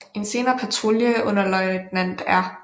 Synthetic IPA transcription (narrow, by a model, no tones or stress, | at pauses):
e̝nse̝ːnɐːpʰæt͡sʰʁuljəʔɔnɐlɒɪd̥næn̰d̥æɐ